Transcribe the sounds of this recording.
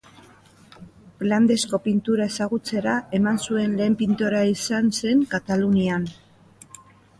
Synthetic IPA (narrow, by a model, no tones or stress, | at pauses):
pland̪e̞sko̞pint̪uɾae̞saɣut͡se̞ɾae̞mansue̞nle̞ːmpint̪oɾaisanse̞ŋkat̪alunian